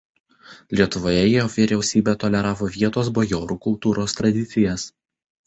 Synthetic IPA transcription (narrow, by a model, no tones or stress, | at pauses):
lʲiɛt̪ʊʋoːjɛjijɔːʋʲiːɾʲɛʊsʲiːbʲeːt̪ɔlʲɛɾɑːʋoːʋʲiɛt̪oːsbɔjoːɾuːkʊlˠt̪uːɾoːst̪ɾɐd̪ʲɪt̪sʲɪjɛs